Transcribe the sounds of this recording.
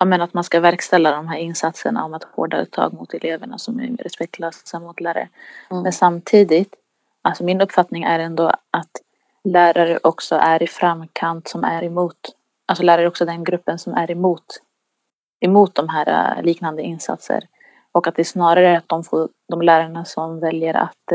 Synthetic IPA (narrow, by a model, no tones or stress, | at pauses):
jɑːmɛnat̪manskavæɾkst̪ɛlːad̪ɔmɦæːɾɪnsat̪səɳa̰ɔmat̪ʰːho̰ːɖaɵ̰ːt̪ʰːɑ̰ːɡmʊt̪ʰɛleːvəɳa̰sɔmɛ̰ɾɛspɛk̚tlasːamːʊt̪læɾə̰mɛnsamt̪ʰiːd̪ɪt̪ | alsɔmɪnɵpːfat̪nɪŋæɾɛnd̪oat̪ | læːɾaɾəʔɔksɔʔæɾɪfɾamːkʰant̪sɔmæɾɛmuːt̪ | alsɔlæːɾaɾɔksɔd̪ɛnɡɾɵpːənsɔmæɾɛmuːt̪ | ɛmuːt̪̚d̪ɔmɦæːɾa̰liːknand̪əɪnsa̰t̪sə̰ɾ | ɔkat̪̚d̪ɛsnɑːɾaɾəat̪̚d̪ɔmfoː | d̪ɔmlæːɾaɳasɔmvɛljəɾa̰t̪